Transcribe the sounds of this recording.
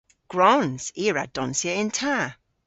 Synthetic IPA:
ɡ̥ɹɔnz̥iːɹa̰d̥ɔ̃nsjəɪ̃ntʰa

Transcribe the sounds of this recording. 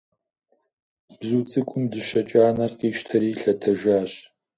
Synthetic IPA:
b̥zuːt͡sʼɨkʷʼʊmdɨɕɐt͡ʃʼaːnɐrqiːʃtʰɐɾiːɬɐtʰɐʒaːɕ

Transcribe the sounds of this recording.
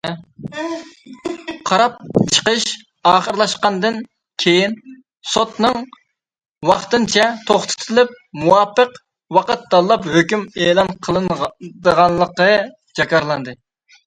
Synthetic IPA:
qʰɑɾɑp̚t͡ʃʰə̥qəʃ | ɑːχəɾlˠɑʃqɑnd̪ɨn | kʲʰejin | sot̪nɨŋ | wɑχt̪ɨnt͡ʃʰɛt̪ʰoχt̪ʰɨ̥t̪ʰɨlˠɪp̚muwɑːpəq | wɑqət̪̚d̪ɑlˠlːˠɑphøkʲymeːlˠɑnqʰəlˠɨnd̪əʁɑnlˠəqə | d͡ʒɑkʰɑɾlˠɑnd̪ɨ

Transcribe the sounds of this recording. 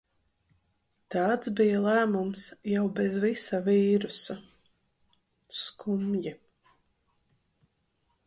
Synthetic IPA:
t̪ɑːt̪sbijɐlˠæːmumsjawbɛzvisaviːɾusa | skʰumji

